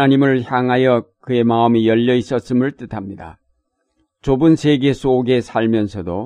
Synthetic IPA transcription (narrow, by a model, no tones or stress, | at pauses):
naɲimɯɭçjaŋɦajʌkɯe̞maɯmijʌʎːʌis͈ʌs͈ɯmɯɭt͈ɯtʰamɲida̰ | t͡ɕobɯnsʰe̞ɡe̞s͈ʰoɡe̞sʰaɭmjʌnsʰʌdo